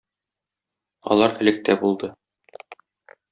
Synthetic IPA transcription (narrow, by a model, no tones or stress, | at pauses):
ɒ̰lˠɑɾɘ̆lɘ̆k̚t̪æbulˠd̪ɤ